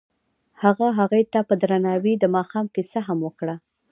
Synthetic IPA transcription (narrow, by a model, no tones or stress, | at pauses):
haɣaɦaɣujt̪apəd̪ɾanɑwid̪əmɑxɑmkisaɦamwəkɽa